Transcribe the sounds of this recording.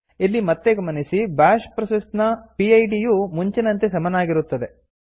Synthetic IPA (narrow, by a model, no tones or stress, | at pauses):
ilːimɐt̪ːeɡɐmɐnisibaːʃpɾɐsisnɐpiɐjɖijumuɲt͡ʃinɐnt̪esɐmɐnaːɡiɾut̪ːɐd̪e̞